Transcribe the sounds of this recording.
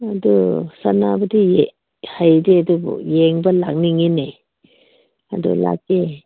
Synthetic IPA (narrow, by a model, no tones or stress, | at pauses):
adusanabɐdije | hajdeadubɔ̰jeŋbɐlak̚niŋine | a̰dṵla̰k̚e